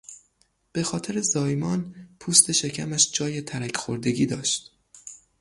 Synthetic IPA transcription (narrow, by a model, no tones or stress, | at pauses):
b̥e̞xɒːt̪ʰeɾe̞zɒːjmɒːnpʰuːst̪e̞ʃe̞cʰæmæʃd͡ʒɒːje̞t̪ʰæɾæcʰxoɾd̪e̞ɡʲiːd̪ɒːʃt̪